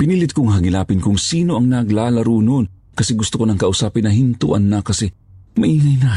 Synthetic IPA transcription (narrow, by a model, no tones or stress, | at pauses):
pɪniːlɪt̪̚kʊŋɦɐɡɪlaːpɪnkʊŋsiːnoʔɐŋnɐɡlaːlɐɾuːnon | kɐsɛɡʊst̪ʊkonɐŋkɐʔʊsaːpɪnːɐɦɪnt̪ṵʔɐ̰nːɐkɐsɛ | mɐʔiːŋɐjna